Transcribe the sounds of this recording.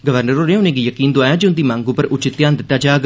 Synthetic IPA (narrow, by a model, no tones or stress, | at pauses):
ɡəʋəɾnəɾoːnẽːʊnẽːɡiːjəkiːnd̪oaːjãːd͡ʒeʊnd̪iːmãːŋɡuːpəɾʔʊt͡ʃɪt̪ːjãːnd̪ɪt̪ːaːd͡ʒaːɡ